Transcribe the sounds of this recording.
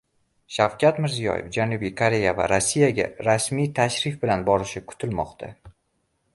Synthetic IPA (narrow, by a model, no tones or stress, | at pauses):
ʃavkʲʰat̪mɪɾzijɒ̰jḛfd͡ʒanʊbijkʰoɾe̞java̰ɾasːijaɡʲa̰ɾasmijt̪ʰaʃɾɪfbɪlanbɒɾɪʃɪkʰʊ̥t̪ʰɪlmɒqt̪ʰa̰